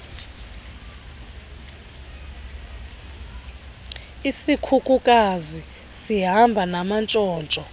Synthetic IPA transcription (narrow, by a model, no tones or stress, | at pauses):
isikʰukʼukʼazi | siɦambʱanamant͡ʃʼɔːnt͡ʃʼɔ